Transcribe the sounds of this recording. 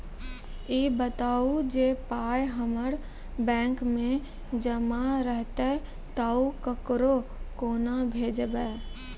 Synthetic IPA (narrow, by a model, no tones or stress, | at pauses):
iːbət̪aːud͡ʒeːpaːjɦəməɽ | bɛ̃ːŋkmẽ | d͡ʒəmaɾəɦt̪e | t̪aːukəkɾokoːnabʱeːd͡ʒbɛː